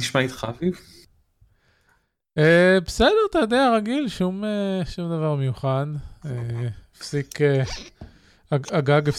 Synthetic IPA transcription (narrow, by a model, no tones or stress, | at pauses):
iʃmait̪χa̰viv | ebesed̪eʁt̪ajod̪eaʁaɡilʃumeʃumd̪avaʁme̞juχaneefsike | aaɡaɡef